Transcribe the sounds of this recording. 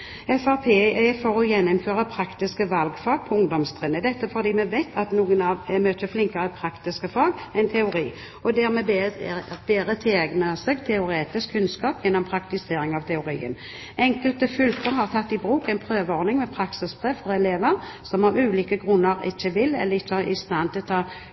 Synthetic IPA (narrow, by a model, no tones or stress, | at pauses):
ɛfæʁpʰeːefɔʁɔjɛnːʊmføːʁəpʰɾɑkt̪ɪskəʋɑlɡfɑːɡ̚pʰɔʊŋd̪ɔmst̪ʰʁɪnːəd̪ɛt̪ːəfɔʁd̪iːmɛʋɛɪt̪ʰɑt̪nuːɡənɑʋɛmøːt̪əflɪŋkəʁəpʰɾɑkt̪ɪskəfɑːɡɛɪnt̪ʰɛʊɾḭː | ɔd̪æʁmɛb | beːɾət̪ʰɛɛɡnəsɛɡt̪ʰɛʊɾeːt̪ɪskʰːʉnskɑːpjɛnːɔmpʰɾɑkt̪ɪseːɾɪŋɑʋt̪ʰɛʊɾḭːə̰n | ɛŋkəlt̪əfʏlt̪əɾɦɑʁt̪ʰɑt̪ːɪbʁuːkɛɪnpʰʁøːʋəɔʁnɪŋmɛpʰɾɑksɪspʰʁeːʋfɔʁɛleːʋəɾsɔmɑʋʉːliːkəɡʁʉnːəɾɪ̰t͡ʃːəʋɪlːɛ̰lːəɾɪt͡ʃːəɑɪst̪ɑnt̪ʰɪlɔt̪ʰɑː